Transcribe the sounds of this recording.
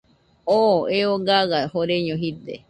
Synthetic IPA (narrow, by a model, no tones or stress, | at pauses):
oeoɡaɣahoɾeɲõɦit̪e